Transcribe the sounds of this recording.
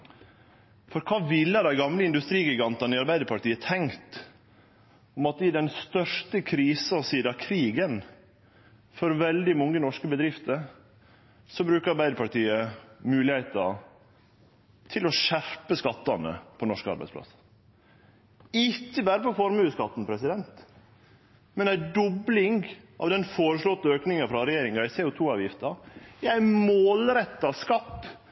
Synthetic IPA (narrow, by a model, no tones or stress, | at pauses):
fɔɾkʰɑːʋɪlːəhɑɾd̪æɪɡɑmləɪnd̪ʉst̪ɾiːɡɪɡɑnt̪ɑnɪɑɾbæɪd̪əɾpʰɑʈiːət̪ʰɛŋkt̪ | ɔmɑt̪ɪd̪ɛnst̪œʂʈəkʰɾiːsɔsiːd̪ɑkʰɾiːɡən | fɔɾʋɛld̪ɪmɔŋːənɔʂkəbəd̪ɾɪft̪əɾ | sɔbɾʉːkəɾɑɾbæɪd̪əɾpɑʈiːəmʉːlɪheɪt̪ɑ | t̪ʰɪlɔʃæɾpəskɑt̪ːɑnə̰pʰɔnɔʂkəɑ̰ɾbæ̰ɪdspʰlɑ̰s | ɪcːəbæːɾəpʰɔfɔɾmʉːskɑt̪ːn̩pʰɾɛsɪd̪ɛnt̪ | mɛnæɪd̪ɔblɪŋɡʔɑ̰ːʋd̪ɛnfoːɾəʂlɔt̪ːəøːknɪŋɑfɾɑɾɛjeːɾɪŋɑæɪseut̪ʰuːɑːʋjɪft̪ɑæɪmoːlɾɛt̪ːɑskɑp